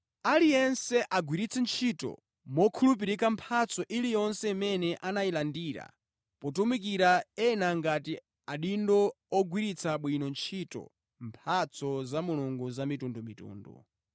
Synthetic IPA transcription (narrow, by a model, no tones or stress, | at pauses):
alijɛnsɛʔaɡwiɾit͡sʰɛnt͡ʃʰitɔ̰ | mɔkʰulup̬iɾikampʰat͡sʰɔʔilijɔnsɛimɛnɛʔanajilandiːɾa̰ | pɔtumik̬iɾaɛnaŋɡati | aɗindɔ | ɔɡwiɾit͡sʰaɓwinɔnt͡ʃʰitɔ̰ | mpʰat͡sʰɔzamuluŋɡuzamitundumitṵːndṵ